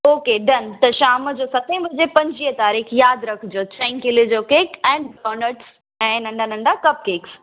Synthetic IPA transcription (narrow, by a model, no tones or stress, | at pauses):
oːkeɖɐnt̪ɐʃaːməd͡ʑoːsɐt̪ʰẽʋɪd͡ʑepɐ̃ɲd͡ʑiːət̪aːɾiːxjaːd̪ɾɐkʰd͡ʑoːt͡ɕɛ̃ːŋkɪlid͡ʑoːkeːkɛ̃ːɳɖɖɔːnəʈs | ɛ̃ːnɐ̃ɳɖʱanɐ̃ɳɖakɐp̚keːks